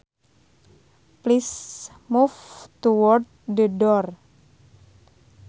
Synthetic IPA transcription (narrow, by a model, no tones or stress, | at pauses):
plis | muft̪uwɔrt̪̚dədɔr